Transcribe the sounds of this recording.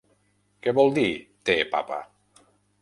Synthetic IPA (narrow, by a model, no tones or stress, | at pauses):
keβɔlˠd̪it̪epa̰pa̰